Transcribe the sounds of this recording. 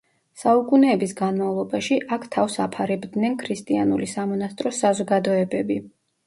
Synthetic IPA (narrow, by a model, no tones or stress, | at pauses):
saukʼunɛːbisɡanmavlˠɔbaʃiʔakʰt̪ʰafsapʰaɾɛbd̪nɛnkʰɾist̪ʼianulisamɔnast̪ʼɾɔsazɔɡad̪ɔɛbɛbi